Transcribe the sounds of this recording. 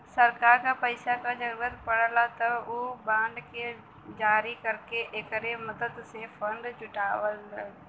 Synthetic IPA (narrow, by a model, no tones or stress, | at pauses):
sɐɾkaːɾkapɐɪsakad͡ʒɐɾuːɾət̪pɐɽ̃əlat̪ɐubãːɳɖkʰe | d͡ʒaːɾikɐɾkeʔekəɾemɐd̪əd̪sẽfɐ̃ɳɖt͡ʃʊʈaːʋəl